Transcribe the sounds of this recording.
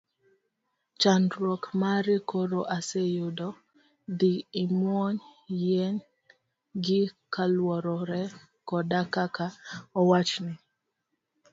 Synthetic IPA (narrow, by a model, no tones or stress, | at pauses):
t͡ʃandɾɔkmaɾɪkoɾoʔasejʊdɔ | d̪iːmwɔɲjɛn | ɡɪkalwɔɾɔɾɛ | kɔdakakaɔwat͡ʃnɪ